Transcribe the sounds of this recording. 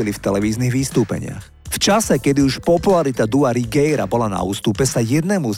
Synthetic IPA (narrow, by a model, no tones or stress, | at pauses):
ilift̪ɛlɛʋiːzniɣʋist̪uːpɛ̰ɲɪ̰a̰x | ft͡ʃasɛkɛd̪iuʃpɔpulaɾit̪ad̪uaɾiɡɛjɾabɔlana̰ṵːst̪upɛsajɛd̪nɛmuz